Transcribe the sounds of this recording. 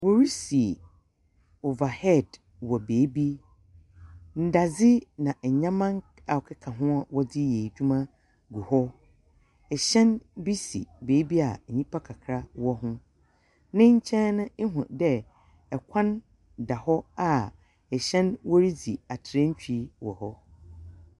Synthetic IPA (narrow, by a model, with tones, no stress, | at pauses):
wo˦ɾi˦si˨ | o˨va˨hɛ˦˨d | wɔ˨beː˨˦bi˦ | n̩˨da˨d͡zɪ˦nã˨ʔ̩˨ɲã˦mã˦ŋ | a˨ɔ˨kʰɪ˦kʰa˨ɦʊ̃˦a˨wɔ˦dɪ˦je˨d͡ʑᶣu˦mã˦ | ɡu˨hɔ˦ | ɛ˨ɕɛ̃˦nbi˦sḭ˨beː˨˦bi˦a˨ɲĩ˦pʰa˦kʰa˨kʰɾa˦wɔ˦ɦʊ̃˦ | nɪ̃˦ɲ̩˦t͡ɕʰɛ̃˦nʊ̃˦e˦ɦʊ̰̃˨dɛ˦ | ɛ˨kʷʰã˦n | da˨hɔ˦a˨ | ɛ˨ɕɛ̃˦nwɔ˦ɾi˦d͡zi˨a˨tʰɪ˨ɾɛ̃˦ɲ̩˦t͡ɕᶣi˦wɔ˨hɔ˦